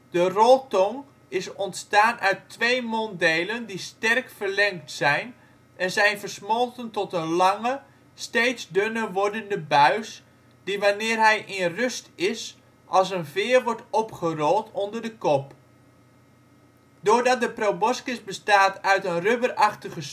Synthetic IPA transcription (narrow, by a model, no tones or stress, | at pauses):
d̥ərɔlˠtɔŋ | ɪsɔntstaːnʔœɥtʋejmɔndejləndistɛrkfərlɛŋktsɛjn | ʔɛnzɛjnvərsmɔlˠtəntɔtənlɑŋə | steːtsdønəʋɔɹdəndəbœɥs | d̥iʋanɪːrɦɛjʔɪnrøstɪs | ʔɑlˠs̬ənvɪːrʋɔɹtɔpχərɔlˠtʰɔndərdəkɔp | dʊːɹdɑt̚dəprobɔskɪsbəstaːtœɥtənrøbərɑχtəχəs